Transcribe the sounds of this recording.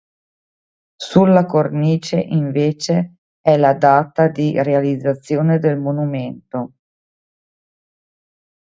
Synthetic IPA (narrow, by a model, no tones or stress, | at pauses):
sulːakorniːt͡ʃeʔiɱveːt͡ʃe | ɛlad̪aːt̪ad̪irealid̪zːat̪sːjoːned̪elmonument̪o